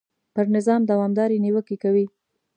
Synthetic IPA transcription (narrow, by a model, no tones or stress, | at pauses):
pəɾnɪzɑmd̪awɑmd̪ɑɾiniwəkekawi